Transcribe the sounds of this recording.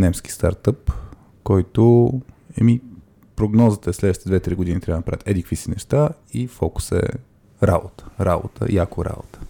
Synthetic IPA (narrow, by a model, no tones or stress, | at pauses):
nɛmski̥st̪a̰ɾt̪əp | kɔjt̪o | ɛmi | pɾoɡnɔzət̪əɛslɛd̪əʃit̪ɛd̪vɛt̪ɾiɡod̪init̪ɾʲavənɐpɾa̰vət̪ɛd̪ikəkvisənɛʃt̪a | ifɔku̥sɛ̰ | ɾa̰bot̪ə̥ɾabo̰t̪ʰə̰jakʊɾa̰bo̰t̪ə̥